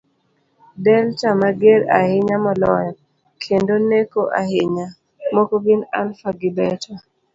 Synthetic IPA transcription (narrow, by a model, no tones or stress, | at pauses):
dɛlt͡ʃamaɡeɾa̰hɪɲamɔlɔjɔ | kʰendonekoʔa̰hɪɲa | mokoɡinalfaɡɪbɛtʰa